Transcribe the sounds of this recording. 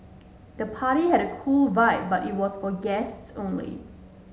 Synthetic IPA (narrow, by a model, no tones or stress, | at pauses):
d̥əpʰaɾihɛɾəkʰulvaɪp̚baɾit̚wɔsfɔɡɛstsõnlḭ